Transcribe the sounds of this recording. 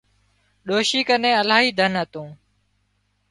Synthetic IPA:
ɗoːʃiːkənẽːəlaːɦiːd̪ʱənɦət̪õː

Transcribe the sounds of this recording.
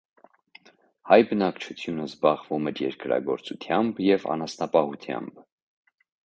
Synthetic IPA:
hɑjbənɑkt͡ʃʰut͡sʰjunəzbɑʁvumɛɾjɛɾkɾɑ̰ɡɔɾt͡sut̪ʰjɑmbjɛvɑ̰nɑsnɑpɑhut̪ʰjɑ̰mb

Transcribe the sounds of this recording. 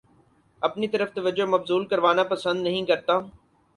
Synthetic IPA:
ɐpnit̪əɾəft̪ɐʋəd͡ʒomɐbzuːlkəɾʋaːnapɐsə̃nd̪nɐɦĩkɐɾt̪aː

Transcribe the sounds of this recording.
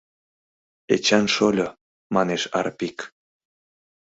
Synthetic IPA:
et͡ɕɑnʃolʲo | mɑneʃɑ̰ɾpik

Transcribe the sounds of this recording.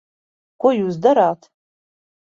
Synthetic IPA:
kʷʰʊjuzdaɾaːtʰ

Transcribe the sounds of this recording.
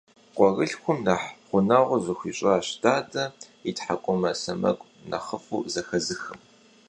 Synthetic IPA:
qʷʼɔɣɨɬxʷʊmnɐħχʷʊnɐʁʷʊzɨxʷiɕʼaaːɕtʰaːtʼɐ | itħakʷʼʊmɐsɐmɐ̰kʷʼ | nɐ̰χəfṵzɐxɐzɨxɨm

